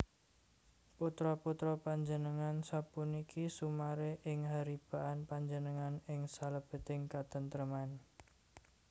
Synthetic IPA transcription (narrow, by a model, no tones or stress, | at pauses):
put̪ɾɔput̪ɾɔpaɲd͡ʒənəŋansapunikʰisumaɾeʔɪŋɦaɾib̥a̤ʔanpaɲd͡ʒənəŋanɪŋsaləb̥ə̤t̪ɪŋkat̪ənt̪ɾəman